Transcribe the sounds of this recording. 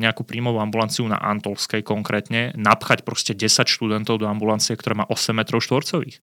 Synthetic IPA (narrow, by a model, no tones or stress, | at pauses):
ɲɛakuːpɾiːmɔʋuambulant͡siuna̰ʔant̪ɔlskɛjkɔŋkɾʔɛːt̪ɲɛnapxacpɾɔscɛɟɛsacʃt̪ud̪ɛnt̪ɔʊd̪ɔambulant͡sijɛkt̪ɔɾɛːmaːʔɔsɛmːɛt̪ɾɔʊʃt̪ʋɔɾt͡sɔʋḭːx